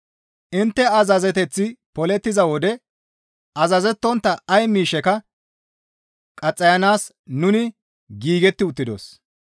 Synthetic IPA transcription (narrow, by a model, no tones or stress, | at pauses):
ʔɪnt̪ːɛɐzɐzɛt̪ɛt͡sːɪpɔlɛt̪ːɪzɐwɔd̪ɛ | ɐzɐzɛt̪ːɔnt̪ːɐɐjmiːʃɛkɐ | kʼɐt͡sʼːɐjɐnaːs | nʊnɪ | ɡiːɡɛt̪ːɪʊt̪ːɪd̪o̰s